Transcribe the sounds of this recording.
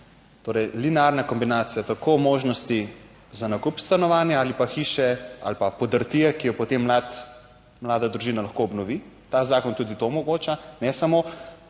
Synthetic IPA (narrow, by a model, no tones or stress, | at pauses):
t̪oːɾɛjlinaɾnakɔmbinaːt̪sijat̪akʰoːmoːʒnɔst̪i | zanakupst̪anɔʋaːnjaaːlipaxiːʃɛa̰lpapɔd̪əɾt̪iɛkijɔpɔt̪emːat̪ | mlaːd̪ad̪ɾuʒiːnalaxkoːbnɔʋi | t̪azaːkɔnt̪ud̪it̪omɔɡoːt͡ʃanɛsamo